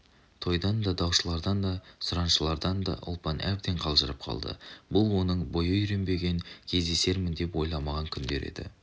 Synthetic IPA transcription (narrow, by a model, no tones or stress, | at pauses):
t̪ʰo̞jd̪ɑnd̪ɑd̪ɑwʃəlˠɑɾd̪ɑnd̪ɑsʊɾɑnʃəlˠɑɾd̪ɑnd̪ɑ̰ʔʊ̰lˠpɑnʔæbd̪e̞ɴqʰɑlˠʒəɾəp̚qʰɑ̰lˠd̪ə̰bʊlˠwo̞nəɴbo̞jəjʏɾe̞nbe̞ɡʲe̞ŋkʲʰe̞zd̪e̞se̞ɾmɪnd̪e̞pwo̞jlˠɑmɑʁɑŋkʲʰʏnd̪e̞̰ɾe̞̰d̪ɪ̰